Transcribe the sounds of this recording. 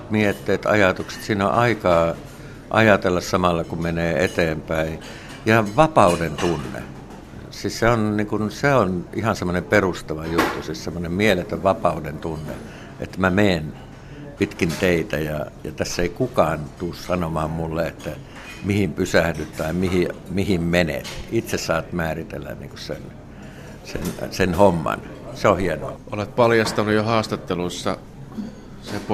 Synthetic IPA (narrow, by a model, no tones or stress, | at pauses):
t̪miet̪ːeːt̪ɑ̰jɑt̪ukse̥t̪siːno̰ʔʔɑikɑː | ʔɑ̰jɑt̪elːɑssɑmɑlːɑkumeneːḛt̪eːmpæˑi | jɑʋɑpɑudent̪unːḛ | sisseonniŋkunseonʔihɑnsemːonemperust̪ɑʋɑjut̪ːusissemːonemmielet̪øʋɑpɑˑudent̪unːḛ | ʔḛt̪ːæmæmeːn | pit̪kint̪eit̪æjɑ̰jɑ̰t̪æsːeikukɑːnt̪uːssɑnomɑːmmulːeet̪ːæ | mihimpysæhdyt̪t̪ɑimihimihimmenḛt̪it̪sessɑːt̪mæːrit̪ḛlːæ̰nnḭŋkossḛn | sḛnsenhomːɑ̰n | seohieno̰ɑ̰ʔolet̪̚pɑljɑst̪ɑnujohɑːst̪ɑt̪ːelusːɑ̰ | sep